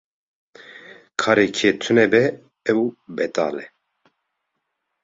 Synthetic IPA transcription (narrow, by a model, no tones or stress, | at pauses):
kʰɑːɾekʰeːt̪ʰɨnɛbɛ | ɛwbɛt̪a̰ːlɛ